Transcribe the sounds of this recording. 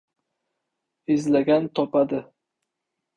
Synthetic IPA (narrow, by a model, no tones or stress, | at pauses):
ɪzlaɡʲant̪ʰɒpad̪ɪ